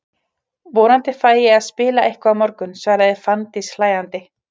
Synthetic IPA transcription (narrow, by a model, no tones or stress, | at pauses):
voːnant̪ɪfaːjɪaðspɪːlaʔehkavmɔɾkʏnsvaɾaðɪɾ̥fant̪ɪslaːjant̪ɪ